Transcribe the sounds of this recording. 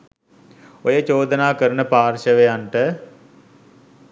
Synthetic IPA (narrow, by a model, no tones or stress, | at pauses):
ojət͡ʃoːd̪ənaːkəɾənəpaːrʃəʋejanʈə